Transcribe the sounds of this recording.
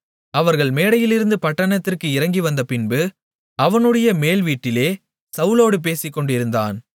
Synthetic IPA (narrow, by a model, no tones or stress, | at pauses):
ɐʋɐɾɣɐɭmeːɽɐjɪlɪɾɯnd̪ɯpɐʈːɐɳɐt̪ːɪrkɯɪɾɐŋɡiʋɐnd̪ɐpɪnbɯ | ɐʋɐnɯɽɐjɐmeːlʋiːʈːɪleː | sɐʋloːɽɯp̬eːsɪkːɔɳɖɪɾɯnd̪a̰ːn